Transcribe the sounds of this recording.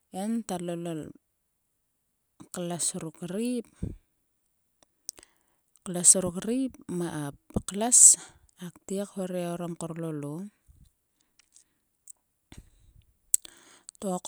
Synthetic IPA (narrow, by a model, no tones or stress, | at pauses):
entalolol | kalasuɾukɾip | klasuɾukɾipmaʔap̚klas | aktiekhoɾeoɾomkoɾlolo | tok